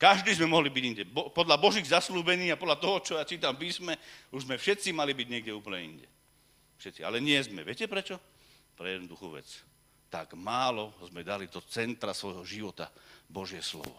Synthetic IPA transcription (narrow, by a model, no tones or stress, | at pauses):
kaʒd̪iːzmɛmɔɦlibiɟiɲɟɛbɔpɔd̪ʎabɔʒiːɣzasluːbɛniːapɔd̪lat̪ɔɦɔt͡ʃɔjat͡ʃiːt̪ampiːsmɛuʒzmɛfʃɛt̪t͡simalibiɟɲɪɛɡɟɛuːplɲɛḭnɟɛ̰ | fʃɛt̪t͡sia̰lɛɲɪɛzmɛʋɪɛcɛpɾɛt͡ʃɔ | pɾɛjɛd̪nud̪uxuːʋɛ̰t͡s | t̪a̰ɡmaːlɔzmɛd̪alid̪ɔt͡sɛnt̪ɾasʋɔjɦɔʒiʋɔt̪abɔʒɪɛslɔ̰ʋɔ̰